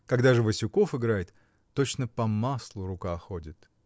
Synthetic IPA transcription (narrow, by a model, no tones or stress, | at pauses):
kɐɡd̪aʐɨvəsʲʊko̞fɨɡɾajɪt̪ː | o̞t͡ɕnəpɐmaslˠʊɾʊkaxodʲɪt̪